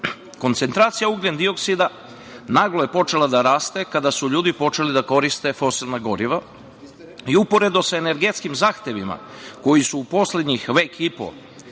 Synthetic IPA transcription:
ko̞nt̪se̞nt̪ɾaːt̪sijauɡlend̪io̞ksid̪a | naːɡloje̞po̞t͡ʃe̞lˠad̪aɾaːst̪e̞kad̪asuʎuːd̪ipo̞t͡ʃe̞lid̪ako̞ɾist̪e̞fo̞silnaɡo̞ɾiʋa | iupo̞ɾe̞d̪o̞saene̞ɾɡe̞t̪skimzaːxt̪e̞ʋima̰ | ko̞jisuːpo̞sle̞d̪ɲixʋe̞ːkipo̰

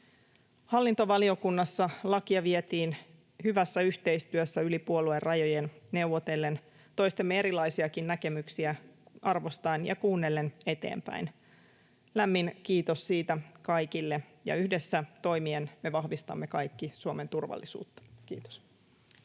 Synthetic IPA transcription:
hɑlːint̪o̞ʋɑlio̞kunːɑsːɑlɑkiɑʋiet̪iːn | hyʋæsːæyçt̪e̞ist̪yøsːæylipuolue̞rrɑjo̞jenne̞wʋot̪e̞lːe̞n | t̪o̞jst̪emːee̞ɾilɑjsiɑkinnæke̞myksiæʔɑrʋo̞st̪ɑinjɑ̰kuːnːelːe̞ne̞t̪e̞̰ːmpæ̰in | læmːinkiːt̪o̞ssiːt̪ækɑjkilːe̞jɑ̰yhde̞sːæt̪o̞jmienme̞ʋɑhʋist̪ɑ̰mːekɑjkːisuome̞nt̪urʋɑ̰lːisṵːt̪ːɑ̥kiːt̪o̥s

